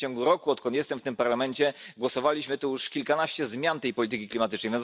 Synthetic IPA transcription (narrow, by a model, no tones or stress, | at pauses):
ɔ̃ŋɡuɾɔkuɔt̪̚kɔnt̪jɛst̪ɛmft̪ɘmpaɾlamɛɲt͡ɕɛɡwɔsɔvalʲiɕmɘt̪ujuʂkʲilkanaɕt͡ɕɛzmʲjant̪ɛjpɔlʲit̪ɘkʲiklʲimat̪ɘt͡ʂnɛjvjɛn